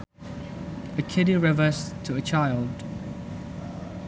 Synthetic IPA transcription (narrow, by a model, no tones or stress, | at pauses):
əkʰɪdiɹɛvəstʰəət͡ʃʰaɪlˠd̥